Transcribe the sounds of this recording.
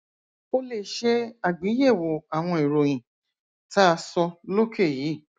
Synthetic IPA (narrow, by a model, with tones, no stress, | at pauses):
o˧le˨ʃe˧a˨ɡ͡bĩ˨˦je˦˨wo˨a˨w̃ɔ̃˧i˨ɾo˨j̃ĩ˨ | ta˦a˧sɔ˧lo˦kʰe˦˨jiː˨˦˨